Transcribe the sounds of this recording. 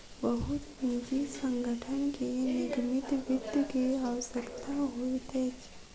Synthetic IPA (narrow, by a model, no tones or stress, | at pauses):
bəɦʊt̪ | ĩd͡ʒisə̃ŋɡʱəʈʰənkinɪɡmɪt̪ʋʊd̪jəkeawəsəkt̪ʰaɦoit̪ʰeːt͡ʃʰ